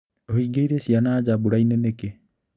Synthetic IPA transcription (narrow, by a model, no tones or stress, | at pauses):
oɦiɡejɾesianaːd͡ʒabuɾajneneke